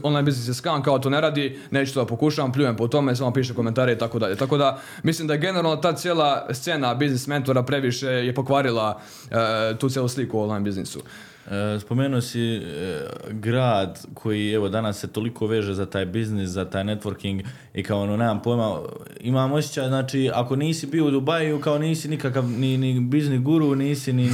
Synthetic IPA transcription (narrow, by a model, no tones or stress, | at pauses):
onlˠajnbiznisjeskaːnkaoat̪̬oːne̞ɾaːd̪ine̞ːt͡ʃut̪od̪apokuʃaːʋamp̬ʎʲuːjempot̪o̞meis̬amapiːʃekoment̪aːɾeit̪ako̞d̪aʎe̞t̪ako̞d̪a | mislˠiːmd̪ajeɡe̞neɾaːlnot̪aːt̪sjeːlˠast̪se̞nabiznisme̞nt̪oɾapɾe̞ʋiʃe̞jepo̞kʋaːɾilˠa | t̪uːt̪jeluːslikuoonlˠaːjnbiznisṵ | spo̞meːnuosi | ɡɾaːd̪kʰo̞jieʋo̞d̪anasːe̞t̪o̞likʰo̞ʋe̞ːʒe̞zat̪aːjbizniszat̪aːjne̞t̪ʋoɾkiŋɡ | ikaooneːmampo̞ːjma | imaːmo̞sʲjet͡ɕaːjznaːt͡ʃiːako̞niːsibiːo̞ud̪ubajukao̞niːsinikakaʋninibizniɡuɾuniːsini